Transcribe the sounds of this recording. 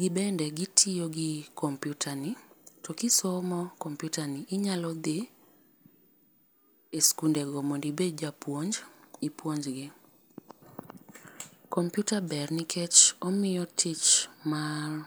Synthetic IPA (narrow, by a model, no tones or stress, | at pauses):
ɡɪbɛndɛɡitʰijoɡɪkɔmpjutʰanitɔkɪsɔmɔkɔmpjutaniʔɪɲalɔd̪ɪ | eskundɛɡɔmondibed͡ʒapwoɲd͡ʒipwoɲd͡ʒɡɪ | kɔmpjutabɛrnɪkʰɛt͡ʃɔmɪjɔtʰit͡ʃmar